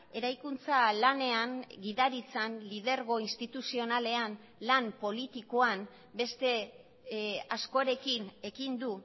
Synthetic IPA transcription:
e̞ɾajkunt͡salane̞aŋɡiðaɾit͡sanlið̞e̞ɾɣo̞inst̪it̪usio̞nale̞an | lampo̞lit̪ikoan | be̞st̪e̞ | asko̞ɾe̞kine̞kind̪u

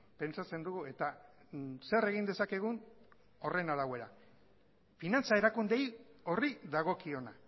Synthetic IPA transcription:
pe̞nt͡sat͡se̞nd̪uɣue̞t̪a | se̞re̞ɣ̞ind̪e̞sake̞ɣ̞un | o̞re̞naðawe̞ɾa | finant͡sae̞ɾakund̪e̞jo̞riðaɣ̞o̞kio̞na

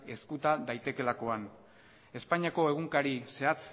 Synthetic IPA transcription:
e̞skut̪aðajt̪e̞ke̞lako̞an | e̞spaɲiako̞e̞ɣ̞uŋkaɾise̞at͡s

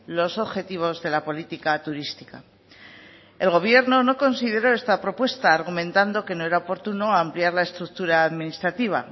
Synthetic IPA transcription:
lo̞so̞βxe̞t̪iβ̞o̞zðe̞lapo̞lit̪ikat̪uɾist̪i̥ka̰ | e̞lɣ̞o̞β̞je̞ɾno̞no̞ko̞nsið̞e̞ɾo̞e̞st̪apɾo̞pwe̞st̪aːɾɣumẽ̞nt̪and̪o̞ke̞no̞eɾaopo̞ɾt̪uno̞aːmpliaɾlaest̪ɾuk̚t̪uɾaːðminist̪ɾat̪iβ̞a̰

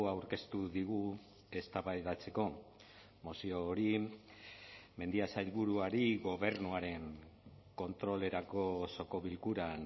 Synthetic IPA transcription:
awɾke̞st̪uðiɣ̞u | e̞st̪aβajðat͡se̞ko̞ | mosioːɾi | me̞nd̪iasajlβuɾuaɾiɣo̞β̞e̞ɾnuaɾe̞ŋ | ko̞nt̪ɾo̞le̞ɾako̞so̞ko̞βilkuɾan

